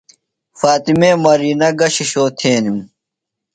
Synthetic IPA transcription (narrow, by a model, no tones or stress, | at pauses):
faːt̪imeːmɐɾiːnɐɡɐɕiɕoːt̪ʰeːnim